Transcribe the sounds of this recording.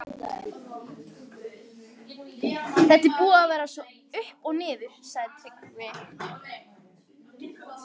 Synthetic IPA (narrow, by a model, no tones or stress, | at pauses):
θɛht̪ːɪpuːaːvɛːɾasvɔ | ʏhpɔɣnɪːðʏɾ̥saɣðɪt̪ʰɾɪkvɪ